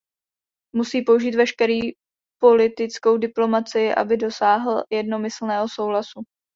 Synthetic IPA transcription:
musiːpo̞uʒiːt̪vɛʃkɛɾiː | po̞lɪt̪ɪt͡sko̞wdɪplo̞mat͡sɪjɪʔa̰bɪdo̞saːɦl̩jɛdno̞mɪsl̩nɛːɦo̞so̞wlasu

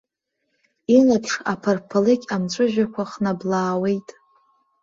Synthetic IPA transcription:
ilapʰʂapʰarpʰalɨkʲʼamt͡ʃʷʼʊʒᶣakʷʰaχnablaːwe̞jtʼ

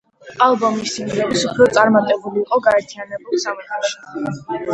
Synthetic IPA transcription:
alˠbɔmisiŋɡɛɾisupʰɾɔt̪sʼaɾmat̪ʼɛbuliːqʼɔɡaɛɾt̪ʰianɛbulˠsamɛt̪ʰɛʃi̥

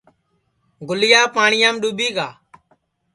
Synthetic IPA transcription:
ɡʊlɪjaːpaːɳɪjãːmɗuːɓiːɡaː

